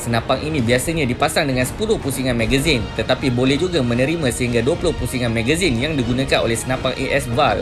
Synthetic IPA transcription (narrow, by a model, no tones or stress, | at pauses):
sənãpaŋʔinibiasaɲadipasaŋdəŋansə̥pulʊhpusiŋanmaɡazɪnt̪ət̪apibolɛhd͡ʒuɡamənəɾimasəɦiŋɡaduapulʊhpusiŋanmaɡazɪnjaŋdiɡunakano̰lɛhsənãpaŋʔiʔɛsbal